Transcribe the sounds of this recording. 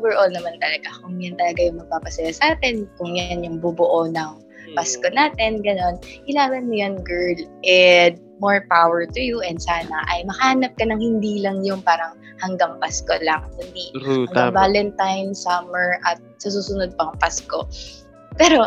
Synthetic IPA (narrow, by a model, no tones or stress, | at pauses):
ʔovɛɹʔolnɐmant̪ɐlɐɡakʊŋjant̪ɐlɐɡajʊŋmɐɡ̚paːpɐsɐjasaːt̪ɛnkʊŋjanjʊŋbubʊʔonɐŋ | pasko̞naːt̪ɛnɡɐno̞nhɪlaːbɐnmʊjanɡɛɹlʔɛd̪̚moɹpawɛɹt̪ʊjuʔɛnd̪saːnɐʔɐjmɐhɐhaːnɐp̚kɐnɐŋhɪnd̪iːlɐŋjʊŋpaːɾɐŋ | hɐŋɡɐŋpaskolɐŋd̪ʊnihɐŋɡaŋvaːlɛnt̪ajnsɐmɛɹʔɐt̪̚sɐs̬uːsʊnod̪̚pɐʔɐŋpasko̞̰ | pɛːɾo̞